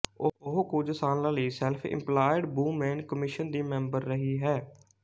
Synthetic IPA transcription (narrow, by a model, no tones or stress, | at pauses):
oʊɦkuːd͡ʒsaːnlãːləiːsɛlpʰɪ̰̃mplaːɪɖbuːmɛ̃ːnkəmɪʃənd̪iːmɛ̃ːmbəɾːəɦiːɦɛː